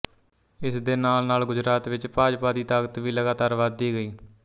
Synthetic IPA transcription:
ɪsd̪eːnaːlnaːlɡʊd͡ʒɾaːt̪ʋɪt͡ʃpaːd͡ʒpaːd̪iːt̪aːɡət̪ʋiːləɡaːt̪aːɾʋaːd̪iːɡəiː

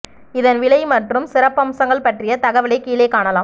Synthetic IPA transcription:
ɪðɐnʋɪɭɐɪmɐʈrɯmsɪɾɐpːɐmsɐŋɡɐɭpɐʈrɪjɐt̪ɐɣɐʋɪɭɐɪkiːleːkːaːɳɐlaːm

